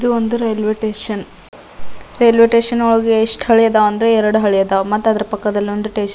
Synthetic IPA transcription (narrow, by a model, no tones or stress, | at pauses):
id̪uond̪uɾejlʋeʈeːʃɐn | ɾejlʋeʈeːʂɐnoɭɐɡeːʂʈɦɐɭijɐd̪aɐnd̪ɾeɛɾɐɽuɦɐɭijɐd̪amɐt̪ːuɐd̪ɐɾepɐkːɐd̪ɐlːio̞nd̪uʈenʃɐ